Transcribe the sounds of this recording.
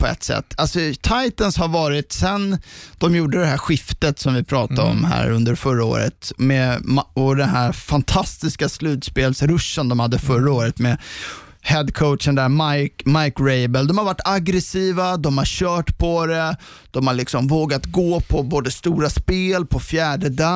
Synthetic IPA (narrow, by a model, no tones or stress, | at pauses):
pʰɔɛ̰t̪ːsɛ̰t̪ːalsɔt̪ʰajt̪ənshaɾvɑːɾɪt̪sɛnd̪̥ɔmjuːɖəd̪ɛhæɧɪft̪ət̪sɔmvɪpʰɾɑːt̪aɔ̰mhæ̰ːɾɵnd̪əɾfœɾao̰ːɾə̰t̪mɛmɔd̪ɛnɦæɾfant̪ʰast̪ɪskaslʉ̟ːt̪speːlsɾɵʂːənd̪ɔmhad̪ːəfœɾaoːɾət̪mɛ | hɛd̪kʰoʊʂənd̪ɛæːɾmajkmajkɾɛɪbɛld̪ɔmhaɾvaʈːaɡɾɛsiːvad̪ɔmhaɾɕœːʈpʰɔɾɛd̪̥ɔmhaɭlɪksɔmvoːɡat̪ɡoːpʰɔboːd̪əst̪uːɾaspeːlpʰɔfjæːɖəd̪a